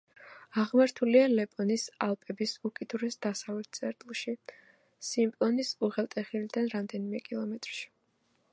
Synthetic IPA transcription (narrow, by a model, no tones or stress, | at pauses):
aʁmaɾt̪ʰulialɛpʼɔnisalˠpʼɛbisukʼid̪uɾɛsd̪̥asavlɛt̪̚ʰt̪sʼɛɾt̪ʼlˠʃi | simpʼlˠɔnisuʁɛlˠt̪ʼɛχilid̪anɾamd̪ɛnimɛkʼilˠɔmɛt̪ʼɾʃi̥